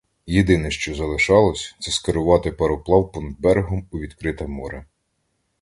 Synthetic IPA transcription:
jed̪ɪnɛʃt͡ʃɔzɐlˠɪʃɑlˠɔsʲt̪sɛskeɾʊʋɑt̪ɪpeɾɔplˠɑwpɔnɐd̪̚bɛɾeɦɔmuʋʲid̪kɾɪt̪ɐmɔɾɐ

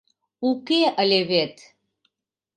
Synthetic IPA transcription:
ukʲeəlʲevet̪ʰ

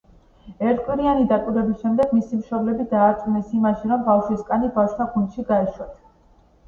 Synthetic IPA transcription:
ɛɾt̪ʰkʼwiɾianid̪akʼwiɾɛbisʃɛmd̪ɛɡ̥misimʃɔblɛbid̪aːɾt̪ʼunɛsimaʃiɾɔmbafʃwiskʼanibafʃt̪ʰaɡund̪ʃiɡaɛʃwat̪ʰ

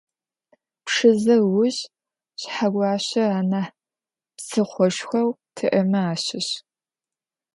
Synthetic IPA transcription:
pʂɨzɐrwʊʑ | ɕħaɡʷɑːɕɐaːnaħ | psɨχʷɔʃxʷɐwtʰɨʔɐmɐaːɕɪɕ

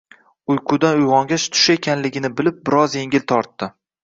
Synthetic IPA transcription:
ʊjqʰʊd̪anʊjʁɒŋɡʲaʃt̪ʰʊ̥ʃe̞kʲʰanlɪɡʲɪnɪbɪlɪp̚bɪɾɒzje̞ŋʲɪlt̪ʰɒɾt̪ːɪ

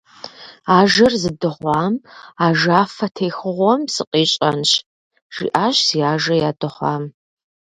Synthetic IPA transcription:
aːʒɐrzɨdɨʁʷɑːmaːʒaːfɐtʰeːxʊʁʷɔmsɨqʼiːɕʼɐnɕ | ʒ̥ḭːʔaːɕsiaːʒɐjaːdɨχʷɑ̰ːm

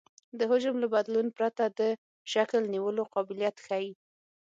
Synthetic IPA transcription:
d̪əɦʊʒəmlabad̪lunpɾat̪ad̪ə | ʃaklniwəloqɑbɪljat̪xaji

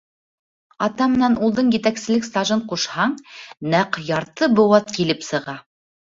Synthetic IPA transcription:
ɑt̪ɑmɘ̆nænulˠd̪ɤɴjɘ̆t̪æksɘ̆lɘkst̪ɑʒɤɴquʃhɑɴnæqjɑɾt̪ɤbŏwɑt̪kilɘpsɤ̆ʁɑ

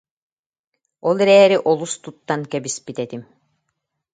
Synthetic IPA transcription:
ɔlˠɛɾɛːɾiʔɔlˠust̪ut̪ːankɛbispit̪ɛt̪im

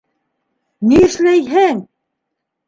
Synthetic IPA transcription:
niɘ̆ʃlæjɦæŋ

